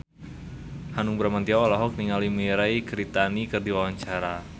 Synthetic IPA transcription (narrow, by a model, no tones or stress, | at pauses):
hanuŋbɾamant̪iawalaɦɔk̚niŋalimiɾajkɾit̪anikɨrdiwawaɲt͡ʃaɾa